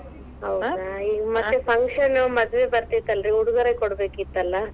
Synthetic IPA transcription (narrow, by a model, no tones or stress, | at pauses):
ɐwɐiːɡɐmɐt̪ːepʰɐŋkʂɐnːɐmɐd̪ʋebɐɾt̪it̪ːɐlɾiuɽuɡɐɾɐkɔɽbeːkit̪ːɐlːɐ